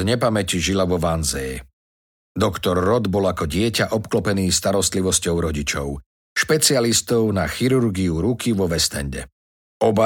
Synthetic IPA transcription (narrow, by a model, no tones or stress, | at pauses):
ɲɛpamɛciʒilaʋɔʋanzɛj | d̪ɔkt̪ɔɾːɔd̪bɔlakɔɟɪɛcaʔɔpklɔpɛniːst̪aɾɔst̪liʋɔscɔʊɾɔɟit͡ʃɔ̰ʊ | ʃpɛt͡sialist̪ɔʊnaxiɾuɾɡiuɾukʰiʋɔʋɛst̪ɛ̰ɲɟɛ̰ | ɔba